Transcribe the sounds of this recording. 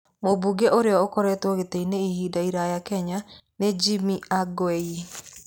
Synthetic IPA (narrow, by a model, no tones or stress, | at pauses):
mobuɡeʔoɾeɔokɔɾɛtwɔɣeteineihiːdaiɾajakɛɲaned͡ʒimiaɡwɛi